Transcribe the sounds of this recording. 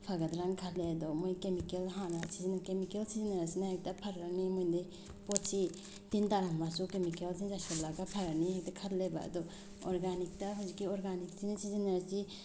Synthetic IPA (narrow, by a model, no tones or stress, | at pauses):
pʰaɡad̪ɾankʰalead̪ɔmojkemikelɦanasizinakemikelsizinaɾasinahak̚tapʰaɾaɾnimojnde | potsi | tintaɾammasukemikelsinzasablaɡapʰaɾaɾniɦak̚dakʰɐtleba̰ɐ̰d̪ɔ | ɔɾɡanik̚taɦazikːiɔɾɡanik̚sinasʰizinaɾsi